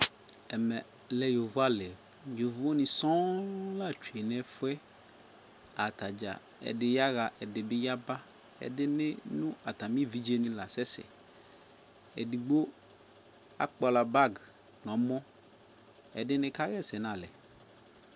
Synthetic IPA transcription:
ɛ˨mɛ˨ | lɛ˨jo˨vu˦a˦˨lɛ˨ | jo˨vu˦o˦nĩ˨sɔ̃˦la˦t͡ʃu˨e˨nɛ̃˦fɛ˦ | a˨t̪a˨d͡ʒa̰˨ | ɛ̰˨de˨ja˦ɣa˨ʔɛ˨de˨be˦ja˦ba˦ | ɛ̰˨de˦ne˦nũ˦a˨t̪a˨mĩ˦vi˦d͡ʒe˦nĩ˦la˨sɛ˦sɛ̰˨ | ḛ˨di˨ɡ͡bo˦ | a̰˦k͡pɔ˨la˨ba˦ɡ | nɔ̃˨mɔ̃˦ | ɛ̰˨ɖɪ˦nẽ˦ka˦ɣɛ˦˨sɛ˨nã˨lɛ̰˨

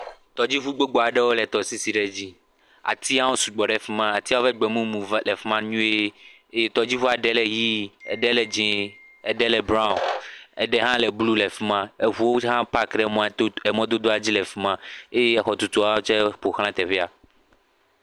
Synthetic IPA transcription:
t̪ɔ˨d͡ʑi˦ɸu˦ɡ͡bo˦ɡ͡bo˨a˨ɖɛ˦wo˦lɛ˨t̪ɔ˨si˦si˨ɖɛ˨d͡ʑi˦ | a̰˨t̪i˦a˦wo˦su˨ɡ͡bɔ˨ɖɛ˦fi˦mã˦a˨t̪i˦a˦wo˦fɛ˦ɡ͡bɛ˨mũ˦mũ˨vlɛ˨fi˦mã˦ɲũ˦e˦ | e˦je˦t̪ɔ˨d͡ʑi˦fu˦a˨ɖɛ˦lɛ˨ji˦ɛ̰˨ɖɛ˦lɛ˨d͡ʒẽ˨ | ɛ˨ɖɛ˦lɛ˨bɾã˦˨ɛ̰˨ɖɛ˦ɦã˦lɛ˨blu˦lɛ˨fi˦mã˦e˦vu˨wo˦ɦã˦pa˦kɖɛ˨m̃˨˦ɛ˨mɔ̃˦d̪o˦d̪o˦a˨d͡ʑi˦lɛ˨fi˦mã˦e˦je˦ɛ˦xɔ˨t̪u˨t̪u˨a˦wo˦t͡ʃɛ˦ɸo˨xl̃ã˦t̪ɛ˨ɸɛ˦a˨

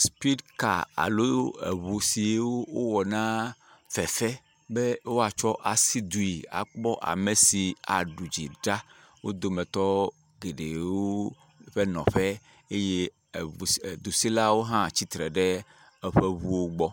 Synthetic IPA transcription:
spi˦dka̰˨a̰˨lo˦ḛ˨βu˨si˨e˦wo˦wo˦wɔ˨nã˦fɛ˨fɛ˦ | be˦wo˦a˨t͡ʃɔ˦ʔa˨si˦d̪u˨ji˨a̰˨k͡pɔ˦ʔa̰˨me˨si˨a̰˨ɖu˨d͡ʑḭ˨ɖa˦ | wo˦d̪o˨mẽ˨t̪ɔ˦ | ɡe˨ɖe˨wo˦ | ɸe˦nɔ̰̃˨ɸɛ˦ | e˦je˦˨ | d̪u˨si˦la˦wo˦ɦã˦˨t͡ɕi˦t̪ɾɛ˨ɖe˦ | ɛ˨ɸe˦βu˦wo˦ɡ͡bɔ˦

